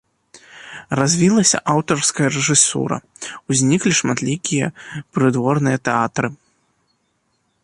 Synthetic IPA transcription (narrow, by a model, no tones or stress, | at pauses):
razʲvʲilˠɐsʲɐ̰ʔawt̪ɔrskɐjɐɾɛʐɨsṵɾɐ̰ | wzʲnʲiklʲiʂmat̪lʲikʲijɐpɾɨd̪vɔrnɨjɐt̪ɛat̪ɾɨ